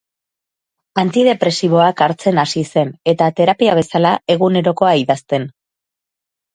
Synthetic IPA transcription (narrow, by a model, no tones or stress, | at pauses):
ant̪ið̞e̞pɾe̞siβo̞akaɾt͡se̞nasise̞ne̞t̪at̪e̞ɾapiaβ̞e̞salae̞ɣune̞ɾo̞ko̞aiðast̪e̞n